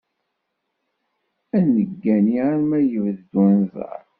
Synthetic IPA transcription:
ænəɡːæniaɾmæjəvðd̪wænzˤə̰ɾˤ

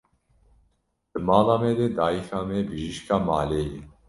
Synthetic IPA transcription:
d̪̥ɨmɑːlaːmeːd̪eːd̪aːixaːmeːbɨʒiʃkaːmaːleːjɛ̰

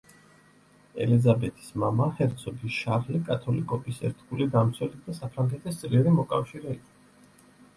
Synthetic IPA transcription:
ɛ̰lizabɛt̪ʰi̥smamahɛɾt̪sʰɔb̪isʃaɾlikʼat̪ʰɔlikʼɔbisɛ̰ɾt̪ʰɡulid̪amt̪sʰwɛlid̪asapʰɾaŋɡɛt̪ʰist̪sʼliɾimɔkʼafʃiɾɛikʼɔ

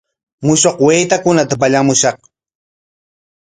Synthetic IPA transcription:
mʊʃoqwejt̪akʊnat̪apaʎamʊʃɑχ

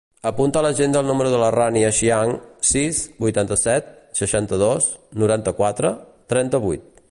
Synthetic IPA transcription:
əpunt̪ələʒend̪əlˠnuməɾuðələraniəʃiaŋsisbujt̪ant̪əsɛt̪̚səʃant̪əð̞osnuɾant̪əkwat̪ɾət̪ɾɛnt̪əβujt̪̚

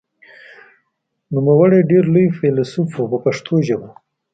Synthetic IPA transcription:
numawəɽeɖeɾlojfelsufubəpaʂt̪ʰoʒaba

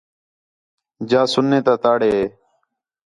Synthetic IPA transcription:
d͡ʒaːsʊnːẽːt̪aːt̪aːɽeːeː

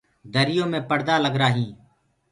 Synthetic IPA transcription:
d̪əɾɪjõːmẽːpəɽd̪aːləɡɾaːɦĩː

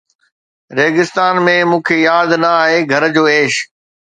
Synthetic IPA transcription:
ɾeːɡɪst̪aːnmẽmũːkʰejaːd̪nɐaːɦeːɡʱɐɾd͡ʑoːeːʃ

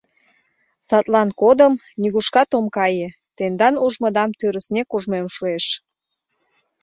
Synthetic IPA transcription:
sɑt̪lɑnkod̪əm | niɣuʃkɑt̪omkɑje | t̪end̪ɑnuʒmə̆d̪ɑmt̪øɾəsnʲekuʒmemʃueʃ

